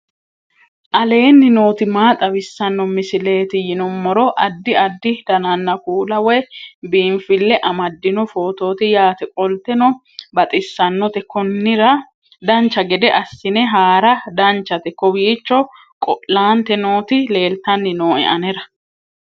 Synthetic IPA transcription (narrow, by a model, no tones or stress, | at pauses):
ʔɐle̞ːnːɪnoːt̪ɪmaːt̪ʼɐbɪsːɐnːɔmɪsɪle̞ːt̪ɪjɪnɔmːɔɾɔʔɐd̪ːɪɐd̪ːɪd̪̥ɐnɐnːɐkuːlɐwɛjbiːmfɪlːɛʔɐmɐd̪ːɪnɔfoːt̪o̞ːt̪ɪjaːt̪ɛkʼɔlt̪ɛnɔ | bɐt̪ʼɪsːɐnːɔt̪ɛkɔnːɪɾɐ | d̪ɐnt͡ʃːɐɡɛd̪ɛʔɐsːɪnɛɦaːɾɐd̪ɐnt͡ʃːɐt̪ɛkɔbiːt͡ʃːɔ | kʼɔʔlaːnt̪ɛno̞ːt̪ɪle̞ːlt̪ɐnːɪno̞ːɛ̰ʔɐnɛɾɐ